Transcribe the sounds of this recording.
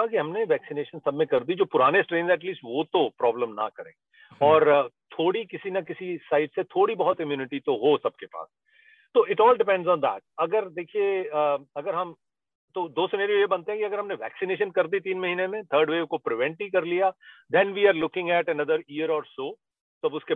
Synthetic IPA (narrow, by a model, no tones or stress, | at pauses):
akiɦɐmneʋɛːksɪneːʃənsɐbmekɐɾd̪id͡ʒoːpʊɾaːnesʈɾẽːnzɛːʈliːsʈʋot̪opɾɔːblə̃mnɐ̰kɐɾḛ̃ː | ɔːɾt̪ʰoːɽikɪsinakɪsisaːɪʈset̪ʰoːɽibɐɦʊt̪ɪmjuːnɪʈit̪oɦosɐb̚kepa̰ːs | t̪oʔɪʈɔːlɖɪpɛ̃ɳɖzɔ̃ːnd̪ɛ̰ːʈ̚ɐɡəɾd̪eːkʰieɐɡəɾɦɐm | t̪od̪oːsɪnɛːɾijojebɐ̃nt̪ẽɦɛ̃kiɐɡəɾɦɐmneʋɛ̰ːksɪneːʃ̬ənkɐɾd̪it̪̬iːnmɐɦiːnemẽt̪ʰəːɾɖʋeːkopɾɪʋɛ̃ɳʈikɐɾlijad̪ɛ̃nʋiːaːɾlʊkɪ̃ŋɡɛːʈɛnɐd̪əɾiːəɾɔːɾsoː | t̪oɐbʊske